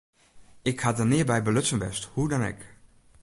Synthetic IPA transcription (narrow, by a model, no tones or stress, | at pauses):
ɪkhat̚dənɪːɹbɛjbəlɵtsənʋɛ̰sthudanɪ̰k